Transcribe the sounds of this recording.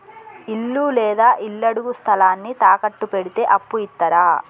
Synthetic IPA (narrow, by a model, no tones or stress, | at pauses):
ilːuːlɛːd̪aːʔilːɐɽuɡust̪ʰɐlaːnːit̪aːkɐʈːupeɽit̪e̞ːʔɐpːuit̪ːɐɾaː